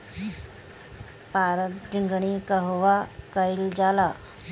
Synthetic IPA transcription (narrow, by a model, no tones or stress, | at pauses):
paɾət̪d͡ʑiŋɡɳikəɦʋakəild͡zala